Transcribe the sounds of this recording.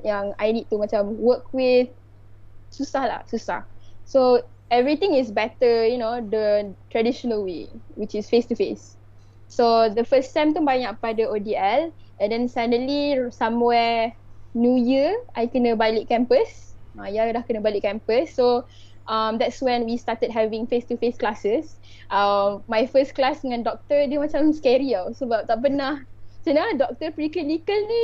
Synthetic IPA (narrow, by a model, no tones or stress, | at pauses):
jãŋajnid̚tumat͡ʃãmwəkwɪθ | susahla̰susa̰hsoɛvɹit̪ĩŋɪsbɛtəjunodəntɹɛdiʃɔnəlwḛwit͡ʃɪsfestufesː | odəfəssɛ̃mtə̃mbajĩŋapadəodiɛlʔɛ̃ndɛ̃nsajnəlisãmwɛ | njujiʔajkənə̃bajliʔ̚kɛ̃mpəsãjalahkənəbaliʔkːɛ̃mpəsːo | ʔamd̪ɛtswɛ̃nwistat̪əd̚ɦɛvĩŋfest̪ufesklasəsʔamːajfəsklasdəŋãndɔk̚t̪ədəmat͡ʃãmskɛɾialsəbap̚t̪aʔpənaht͡ʃənadɔk̚t̪əpɾikilikəlni